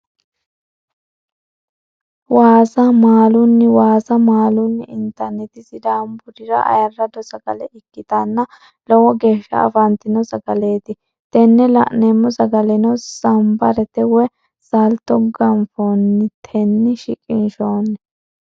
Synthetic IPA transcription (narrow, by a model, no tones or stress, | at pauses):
waːsɐmaːlʊnːɪwaːsɐmaːlʊnːɪɪnt̪ːɐɾnɛt̪ɪsɪd̪ambʊɾɪɾɐ̰ʔɐ̰jɐrːɐd̪ɔsɐɡɐ̰lɛʔɪkːɪt̪ɐnːɐ | lɔwɔɡe̞ːʃːɐ̰ɐ̰fɐnt̪ɪnɔsɐɡɐle̞ːt̪ɪ | t̪ɛnːɛlɐ̰ʔneːmːɔsɐɡɐlɛnɔsɐmbɐɾɛt̪ɛwɛ | sɐlt̪ːɔɡɐmfoːnːɪt̪ʰɛnːɪʃɪ̰kʼɪnʃoːnːɛ